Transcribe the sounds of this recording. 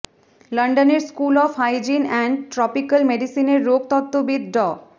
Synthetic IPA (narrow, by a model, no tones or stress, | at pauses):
lʌɳɖəneɾskulɔfʰhajd͡ʑinɛɳɖʈɾɔpikəlmeɖisineɾːoɡ̚t̪ɔt̪ːobid̪ɖɔ